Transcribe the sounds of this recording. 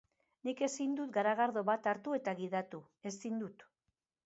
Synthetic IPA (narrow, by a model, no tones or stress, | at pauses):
nike̞sind̪ut̪ɡaɾaɣaɾðo̞βat̪aɾt̪ue̞t̪aɣiðat̪u | e̞st̪ind̪ut̪